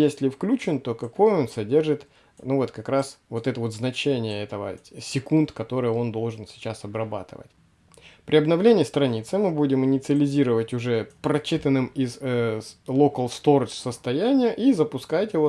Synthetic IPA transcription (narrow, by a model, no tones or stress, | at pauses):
jesʲlʲɪfklʲut͡ɕɪnt̪o̞kɐko̞jo̞nsɐdʲe̞rʐɨt̪ | nuvo̞t̪kɐkɾasvo̞t̪ɛt̪əvo̞t̪znɐt͡ɕenʲɪjəɛt̪əvə̰sʲɪkunt̪kɐt̪o̞ɾɨjəo̞nd̪o̞lˠʐɨnsʲɪ̥t͡ɕasɐbrɐba̰t̪ɨ̰və̰tʲ | pɾʲɪɐbnɐvlʲenʲɪist̪ɾɐnʲit̪sɨmɨbudʲɪmɨnʲɪt̪sɨəlʲɪzʲiɾəvətʲʊʐɛpɾɐt͡ɕːit̪ənːɨmiz | lˠokəlˠst̪o̞rsəst̪ɐjænʲɪjʊʔizəpʊskajtʲɪo